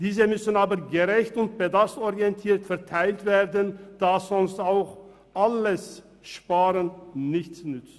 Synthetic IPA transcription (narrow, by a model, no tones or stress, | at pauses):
d̥iːzəmʏsənaːbəɡəʁɛçtʊnt̚b̥ədastɔʁiɛntʰiːɐtfɛɐtʰaɪltv̥eːʁdənd̥aːsz̥ɔnstaʊx | ʔaləs | ʃpaːʁənnɪçt͡snʏt͡st